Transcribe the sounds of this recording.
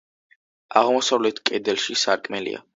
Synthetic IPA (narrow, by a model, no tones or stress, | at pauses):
aʁmɔsavlɛt̪ʰkʼɛd̪ɛlˠʃisaɾkʼmɛlḭa̰